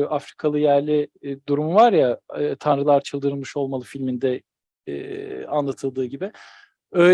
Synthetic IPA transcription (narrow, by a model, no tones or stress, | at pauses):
afɾi̥kʰalˠɯjæɾlʲid̪uɾumuvaɾjaːt̪ʰanɾɯlˠaɾt͡ʃʰɯlˠd̪ɯɾɯlˠmɯʃo̞lˠmalˠɯfilʲmind̪ɛ | ɛ̰ːanlˠat̪ʰɯlˠd̪ɯːɟibɪ | ø